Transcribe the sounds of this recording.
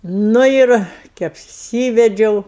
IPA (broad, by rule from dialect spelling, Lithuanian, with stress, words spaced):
ˈnʊ ɪr kʲɪ ɐpʲˈsʲiːʋʲɛd͡ʒʲɛʊ